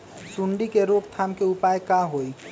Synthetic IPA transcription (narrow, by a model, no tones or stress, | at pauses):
suɳɖikeɾoɡt̪ʰaːmkeʊpaːjkaɦoi